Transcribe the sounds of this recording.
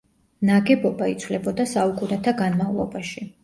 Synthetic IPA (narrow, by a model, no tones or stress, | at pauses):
naɡɛbɔbait̪sʰwlɛbɔd̪asaukʼunɛt̪ʰaɡanmavlˠɔbaʃi